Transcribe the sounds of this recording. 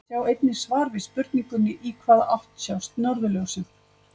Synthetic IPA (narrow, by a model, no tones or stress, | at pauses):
sawejt̪nɪ̥svaːɾvɪspʏɾt̪niŋkʏnːɪʔiːkʰvaːðʔaht̪sawst̪nɔɾðʏlœwsɪð